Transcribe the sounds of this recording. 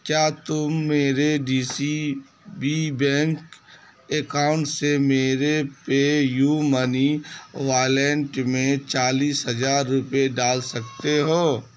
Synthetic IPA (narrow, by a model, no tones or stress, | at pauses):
kjaːt̪ʊmːeːɾeɖiːsi | bibɛ̃ːŋk | ekaːʊ̃ɳʈsemeːɾepejuməniʋaːlɛɳʈmẽt͡ʃaːliːsɦɐzaːɾːʊpeɖaːlsɐk̚t̪eɦoː